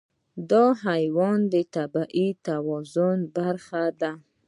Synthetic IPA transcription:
d̪ɑɦajwɑnd̪ət̪abaʔit̪awɑzʊnbaɾxad̪a

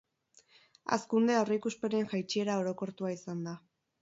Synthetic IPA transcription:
a̰skund̪e̞awrikuspe̞ne̞ŋʝajt͡ʃie̞ɾao̞ɾo̞ko̞ɾt̪uaisand̪a

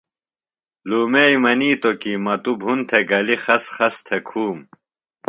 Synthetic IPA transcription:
luːmeimɐniːt̪okimɐt̪ubʱunt̪ʰeɡɐlixɐsχɐst̪ʰekʰuːm

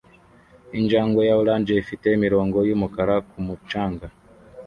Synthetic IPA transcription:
iɲd͡ʒaːŋɡojaulaːɲd͡ʒeifitemiɾoːŋɡo̞jumukaɾakumut͡ʃaːŋɡa

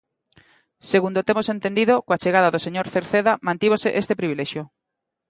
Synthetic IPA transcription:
seɣund̪ot̪emosent̪end̪iðokoat͡ʃeɣaðaðoseɲoɾθeɾθeðamãnt̪iβ̞oseʔest̪epɾiβilɛʃjo

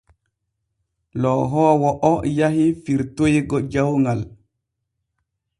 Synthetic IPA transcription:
lɔɦɔːwɔʔɔjaɦifiɾtojɡɔd͡ʒawŋɡal

